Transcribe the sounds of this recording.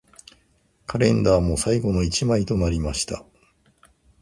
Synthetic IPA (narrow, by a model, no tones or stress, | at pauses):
kʰaɾẽ̞nd̪aːmo̞saiɡo̞no̞it͡ɕimait̪o̞naɾʲimaɕi̥t̪a̰